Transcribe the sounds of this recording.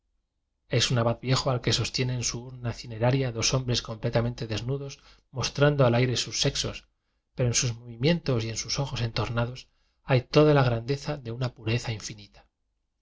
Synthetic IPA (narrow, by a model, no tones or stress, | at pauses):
e̞sunaβaðβje̞xoalke̞so̞st̪je̞ne̞ːnsuuɾnaθine̞ɾaɾjaðo̞so̞mbɾe̞sko̞mple̞t̪amẽ̞nt̪e̞ðe̞znuðo̞s | mo̞st̪ɾand̪oalajɾe̞susːe̞kso̞s | pe̞ɾoensuzmo̞βimje̞nt̪o̞sie̞nsuso̞xo̞se̞nt̪o̞ɾnað̞o̞s | ajt̪o̞ðalaɣ̞ɾand̪e̞θaðe̞unapuɾe̞θaiɱfinit̪ḁ